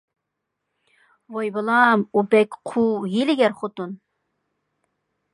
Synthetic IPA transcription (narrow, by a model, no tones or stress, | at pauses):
vojbɨlˠɑmubɛkʲqʰujilɪɡʲɛɾχot̪un